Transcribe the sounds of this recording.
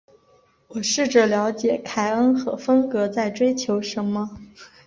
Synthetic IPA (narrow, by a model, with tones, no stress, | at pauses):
wɔ˨˩ʂɻ̩˥˩ʈ͡ʂə˥˩ljɑ˧˥ʊt͡ɕjɛ˨˩kʰa˥ɪə˥nxɤ˧˥fə˥nkɤ˧˥t͡sa˥˩ɪʈ͡ʂwe˥ɪt͡ɕʰjo˧˥ʊʂə˧˥nmə˧